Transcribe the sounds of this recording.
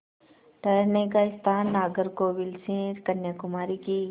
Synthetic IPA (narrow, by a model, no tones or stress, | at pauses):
ʈɐjnekaɪst̪ʰaːnːaːɡəɾkoʋɪlsẽkɐnjakʊmaːɾikiː